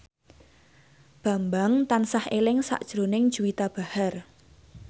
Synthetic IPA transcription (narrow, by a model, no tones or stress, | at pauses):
b̥a̤mbaŋt̪ansahelɪŋsa̰ʔd̥ʒ̥ɾonɪŋd̥ʒ̥uwit̪ab̥a̤har